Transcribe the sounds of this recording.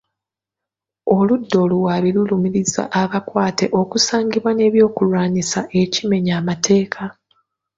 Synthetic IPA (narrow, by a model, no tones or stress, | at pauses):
o̞ludːo̞luwaːβilulumiɾiza̰ʔaβakwaːte̞ʔo̞kusaːɲɟiβwane̞ːβjo̞ːkulwaːnisaʔe̞cime̞ɲaːmatʰe̞ːkʰa